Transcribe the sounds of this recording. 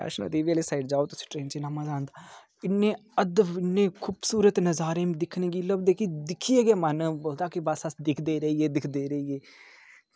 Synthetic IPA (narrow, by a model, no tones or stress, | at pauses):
a̰ːʃno̰ːd̪iːʋeliːsaːɪɖd͡ʒaːoːt̪ʊsĩ̥ːʈɾeːnt͡ʃeːnamãːzaːnd̪aː | ɪnːẽːəd̪ɪnːẽːkʰʊːbsuːɾət̪nəzaːɾẽːmd̪ɪkʰnẽːɡiːləbd̪eːkid̪ɪkʰːieːɡeːmənboːld̪aːkibasəsd̪ɪkʰd̪eːɾəiːeːd̪ɪkʰd̪eːɾəieː